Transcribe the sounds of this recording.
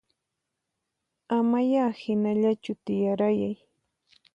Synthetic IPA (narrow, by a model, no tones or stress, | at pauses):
amajaːhɪnaʎat͡ʃʊt̪ɪjaɾajaj